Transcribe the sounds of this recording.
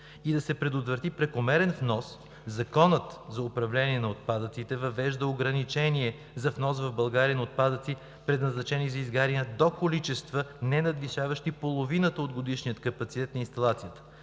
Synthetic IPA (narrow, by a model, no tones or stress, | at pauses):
id̪ɐsɛpɾɛd̪ot̪vɾət̪ipɾɛkomɛɾɛnfnɔs | zɐkɔnət̪zɐopɾɐvlɛniɛnɐot̪̚pad̪ət̪sit̪ɛvɐvɛʒd̪əoɡɾɐnit͡ʃɛniɛ | zɐfnɔsvɐvbɐlˠɡaɾiənɐot̪̚pad̪ət̪si | pɾɛd̪nɐznɐt͡ʃɛnizɐizɡaɾiəd̪okolit͡ʃɛst̪vənɛnɐd̪viʃavəʃt̪ipolˠovinət̪əod̪ɡod̪iʃnijət̪kɐpɐt̪sit̪ɛt̪nɐinst̪ɐlˠat̪sijət̪ə̥